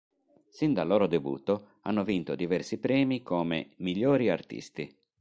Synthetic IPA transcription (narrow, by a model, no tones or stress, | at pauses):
sind̪alːoːɾod̪ebṵːt̪o | a̰nːovint̪od̪ivɛrsipɾɛːmikoːmḛmiʎːoːɾiart̪ḭst̪i